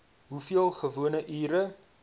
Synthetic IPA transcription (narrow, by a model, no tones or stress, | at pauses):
ɦufiəlˠχəvuənəʔiːɾə